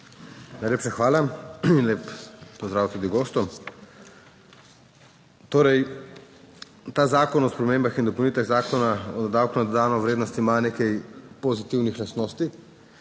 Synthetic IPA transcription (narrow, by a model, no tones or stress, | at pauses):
najleːpʃaxʋaːlainleːppːɔzd̪ɾaːwt̪uːd̪iɡoːst̪ɔ | t̪oːɾɛj | t̪aːzaːkɔnɔspɾɔmeːmbaxind̪ɔpɐwniːt̪aɣzaːkɔnaɔd̪ad̪awkunad̪ɔd̪aːnɔʋɾeːd̪nɔst̪imaneːkɛjpɔzit̪iwnixlast̪noːst̪i